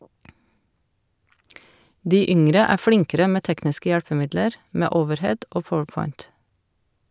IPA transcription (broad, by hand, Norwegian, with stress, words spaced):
ˈdiː ˈʏŋɾə ˈæː ˈflɪŋkəɾə ˈmeː ˈtɛknɪskə ˈjælpəˌmɪdləɾ ˈmeː ˈoːʋəɾˌhɛd ˈoː ˈpɔwəɾˌpɔʏnt